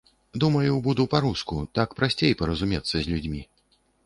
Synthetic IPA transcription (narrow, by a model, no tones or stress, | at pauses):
d̪umɐjubud̪upaɾuskut̪akpɾasʲt͡sʲejpɐɾɐzumʲɛt̪sːɐzʲlʲud͡zʲmʲi